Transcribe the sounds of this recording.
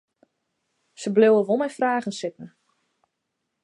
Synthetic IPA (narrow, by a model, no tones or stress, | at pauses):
səblɪwəʋolˠmɛjfraːɣənsɪt̚nə